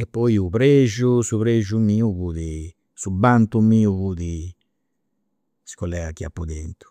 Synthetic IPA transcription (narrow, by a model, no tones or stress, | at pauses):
ɛpːɔjupɾeʒusuβɾeʒumiːuβuði | subant̪umiːuβuði | si̥kɔlɛɡakːia̰pːud̪ɛnt̪u̥